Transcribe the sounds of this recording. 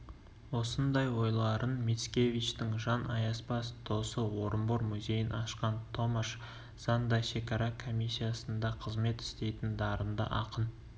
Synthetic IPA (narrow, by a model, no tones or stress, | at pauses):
wo̞sənd̪ɑjwo̞jlˠɑɾənmʲet̪skʲe̞vijt͡ʃt̪ɪŋʒɑnʔɑjɑspɑst̪ʰo̞səwo̞ɾəmboɾmʏze̞jɪnʔɑʃqɑnt̪ʰo̞maʃ | z̥ɑnd̪ɑʃe̞kɑɾɑkʰo̞mʲijsʲːijasənd̪ɑqʰəzme̞t̪ɪ̥st̪e̞jt̪ɪnd̪ɑɾənd̪ə̰ʔɑqən